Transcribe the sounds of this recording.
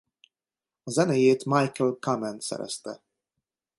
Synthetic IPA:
ɒzɛnejeːt̪majkɛlkamɛnsɛ̰ɾɛ̰st̪ɛ

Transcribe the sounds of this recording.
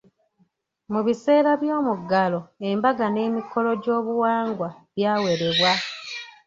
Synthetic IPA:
muβise̞ːɾaβjoːmuɡːalo̞embaɡane̞ːmiko̞lo̞ɟo̞ːβuwaːŋɡwaβjaːwe̞ɾe̞βwa

